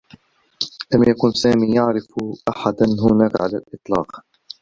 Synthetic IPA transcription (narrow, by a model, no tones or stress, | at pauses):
lamjakʊnsaːmiːjaʕɾɪfʔaħad̪anɦʊnaːkʕalalʔɨt̪ˤlɑ̰ːq